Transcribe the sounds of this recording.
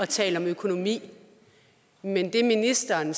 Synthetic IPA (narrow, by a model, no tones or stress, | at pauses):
ɒ̽t͡sʰɛ̰ːləɒ̽møkʰo̝no̝mḭː | mend̥e̝minisd̥ɐːn